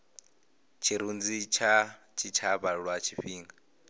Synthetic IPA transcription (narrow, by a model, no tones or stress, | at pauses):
t͡ʃʰiɾund͡zit͡ʃʰa | t͡ʃʰit͡ʃʰaβaɺwat͡ʃʰiɸiːŋɡa